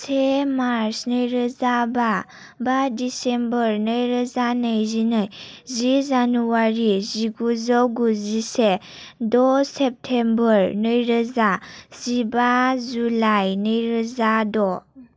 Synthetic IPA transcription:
semaɾsnəjɾəzaba | badisembəɾnəjɾəzanəjzinajzizanuwaɾiziɡuzawɡuzise | dɔsep̚tʰembəɾnɯjɾəzaz̥ibazulajnɯjɾəzadɔ

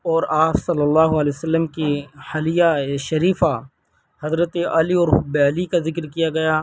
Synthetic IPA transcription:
ɔːɾaːpsɐlːəlːaːɦʊɐlɛsəlːəmkihɐlijaeʃɐɾiːfa | hɐzɾət̪eʔɐliɔːɾɦʊbelikazɪkɾkijaɡɐjaː

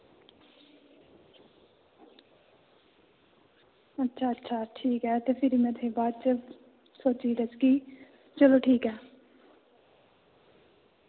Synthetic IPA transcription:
ətːʃʰaːətːʃʰaːʈʰiːkɦɛːt̪eːpʰɪɾiːmɛ̃t̪ʰẽːbaːd̪t͡ʃə | soːt͡ʃiːɾət͡ʃɡiː | t͡ʃəloːʈʰiːkɦɛː

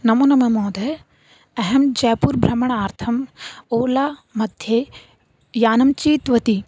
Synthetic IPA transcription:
nɐmoːnɐmɐmoːd̪ɐ | ɐɦɐmd͡ʒɐːpuːɾbʱɾɐmɐɳ̃aːɾt̪ʰɐmoːlaːmɐd̪ʱje | jaːnɐmt͡ʃiːt̪ʋɐt̪i

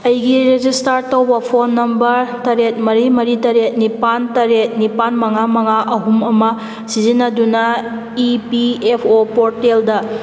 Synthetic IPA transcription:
ɐjɡiɾed͡ʒistaɾtɐwbɐpʰonːɐmbɐɾtɐɾet̚mɐɾimɐɾitɐɾet̚nipantɐɾet̚nipanmɐŋamɐŋaʔɐɦumɐmɐ | sizinːɐdunɐ | ipiepʰopoɾteldɐ

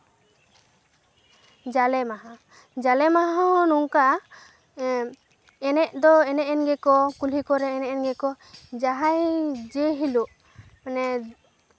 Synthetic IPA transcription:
d͡ʒalɛmaɦã | d͡ʒalɛmaɦaɔnuŋka | ɛnɛʔ̚d̪ɔɛnɛʔɛnɡɛkɔkulikɔɾɛɛnɛʔɛnɡɛkɔ | d͡ʒaɦajd͡ʒɛɦiluʔ | anɛ

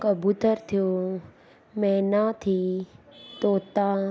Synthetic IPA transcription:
kabut̪əɾt̪ʰijo | mɛ̃nat̪ʰi | t̪ot̪ã

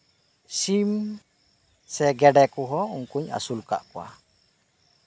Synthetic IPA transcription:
sim | sɛɡɛɖɛkuɦɔuŋkuɲa̰sulka̰ʔkɔwa̰

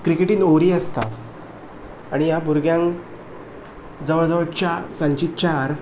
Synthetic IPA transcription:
kɾikeʈiːnoʋɾiːəst̪a̰ | aɽ̃ijabuɾɡjãŋ | d͡zəʋəɭd͡zəʋəɭt͡ɕasə̃ɲt͡ɕiːt͡ɕaɾ

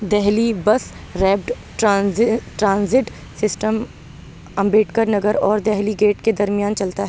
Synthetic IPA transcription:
d̪ɛɦlibɐs | ɾɛːp̚ʈ | ʈaːʈɾãːnzɪʈ | sɪsʈəm | ɐ̃mbeːʈkəɾnɐɡəɾɔːɾd̪ɛɦliɡeːʈked̪ɐɾmɪjaːnt͡ʃɐlt̪aɦɛɛː

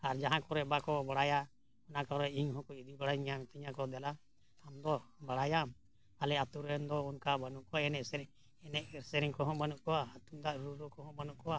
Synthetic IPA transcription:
aɾd͡ʒaɦãkɔɾɛbakɔbaɽaja | ɔnakɔɾɛiŋɦɔ̃kɔid̪ibaɽajɲamt̪iɲakɔd̪ɛla | amd̪ɔbaɽajam | alɛat̪uɾɛnd̪ɔunkabanuʔkɔaɛnɛsɾ | ɛnɛʔɾsɛɾiŋkɔɦɔ̃banuʔkɔwaːt̪umd̪aʔɾuɾɔkɔɦɔ̃banuʔkɔwa

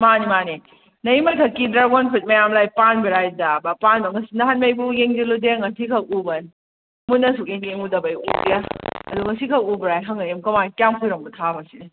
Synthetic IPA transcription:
manimani | nɐimɐjtʰɐkːidɾawɔnpʰit̚mɐjamlajpanbiɾajdabapanbɐŋɐsinɐɦanmɐjbujeŋd͡ʒiludeaŋɐsikʰɐwubɐn | mutnɐsuk̚eŋjeŋudɐbajudjaɐduŋɐsikʰɐwubɾajɦɐŋɐjemkɐmankjaŋpʰujɾoŋbutʰabɐsini

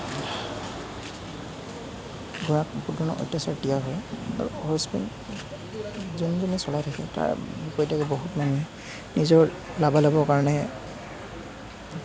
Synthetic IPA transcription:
ɡuɹakpudɔnɔ̰ʔɔ̰jtːasaɹdijaɦɔja̰ɹṵhɔspɛ̰n | zunzɔnɛsɔlajtʰakɛ̰ta̰ɹbipɔitakɛboɦutmanu | nizɔɹ | labalabɔkaɹɔnɛ

